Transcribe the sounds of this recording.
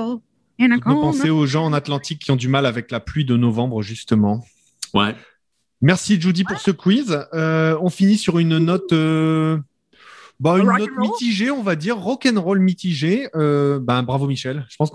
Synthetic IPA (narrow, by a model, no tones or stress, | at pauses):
əpɑ̃seoʒɑ̃ɑ̃nat̪lɑ̃t̪ikʲːiɔ̃d̪ymalavɛklaplɥid̪ənɔvɑ̃bʁəʒyst̪əmɑ̃ | wɛ | mɛʁsiʒud̪ipuʁsəkwizøɔ̃finisyʁynnɔt̪ø | baynːɔt̪mit̪iʒeɔ̃vad̪iʁːɔkʲɛnʁɔlmit̪iʒeøbɛ̃bʁavomiʃɛlʒ̥ə̥pɑ̃s